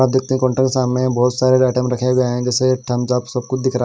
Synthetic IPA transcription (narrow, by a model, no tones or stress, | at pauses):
aːp̚d̪ɪːk̚ʰt̪eɦɛ̃kɔ̃ːɳʈə̃kesaːmnẽbɔːt̪saːɾeɾɛːʈɛːmɾɐkʰjabʱiaːɦeɛ̃d͡ʒɛːseʈʰɐmd͡ʒabsɐb̚kʊt͡ʃʰd̪ɪkʰɾa